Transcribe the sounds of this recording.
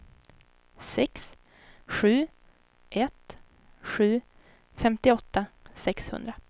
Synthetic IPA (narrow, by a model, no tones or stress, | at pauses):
sɛks | ɧʉ̟ː | ʔɛt̪ | ɧʉ̟ː | fɛmt̪ɪɔt̪ːasɛkshɵ̰nd̪ɾa